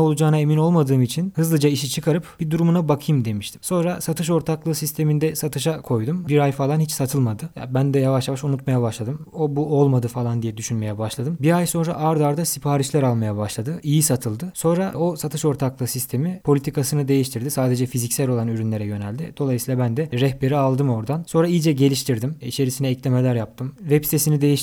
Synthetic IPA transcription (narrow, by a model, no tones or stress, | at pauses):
o̞lˠud͡ʒaːnae̞mino̞lˠmad̪ɯːmit͡ʃʰinhɯzlˠɯd͡ʒaiʃit͡ʃʰɯkʰaɾɯpbid̪uɾumunabakʰɯjmd̪e̞miʃt̪ʰimso̞nɾasat̪ʰɯʃo̞ɾt̪ʰaklˠɯsist̪ʰe̞mind̪ɛsat̪ʰɯʃakʰo̞jd̪umbiɾajfalˠanhit͡ʃsat̪ʰɯlˠmad̪ɯja̰bænd̪ɛjavaʃjavaʃunut̪majabaʃlˠad̪ɯmo̞buʔo̞lˠmad̪ɯfalˠand̪ijɛd̪yʃynme̞jɛbaʃlˠad̪ɯmbiɾajso̞nɾa̰ʔaɾd̪aɾd̪asipʰaːɾiʃlʲæɾalˠmajabaʃlˠad̪ɯʔijisat̪ʰɯlˠd̪ɯso̞nɾao̞sat̪ʰɯʃo̞ɾt̪ʰaklˠɯsist̪ʰe̞mipʰo̞lʲit̪ʰikasɯnɯd̪e̞jiʃt̪ʰiɾd̪isaːd̪e̞d͡ʒɛfizicsælʲo̞lˠanyɾynlʲe̞ɾɛjø̞nɛlʲd̪ḭd̪̥o̞lˠajɯsiːlˠabænd̪ɛɾɛhbe̞ɾialˠd̪ɯmo̞ɾd̪anso̞nɾaid͡ʒɛɟe̞lʲiʃt̪ʰiɾd̪imit͡ʃʰe̞ɾisinɛːclʲe̞me̞lʲæɾjap̚t̪ʰɯmvɛpsit̪ʰe̞sinid̪e̞jiʃ